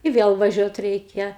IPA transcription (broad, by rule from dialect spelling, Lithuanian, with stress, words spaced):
ɪ ˈʋʲeːlˠ ʋɐˈʒʲuɔt ˈrʲɛɪkʲɛ